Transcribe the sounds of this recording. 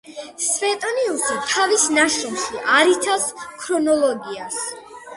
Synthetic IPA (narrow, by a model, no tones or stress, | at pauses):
svɛt̪ʼɔniulˠsit̪ʰavisnaʃinʃiʔaɾit̪ʰaskʰɾɔnɔlˠɔɡias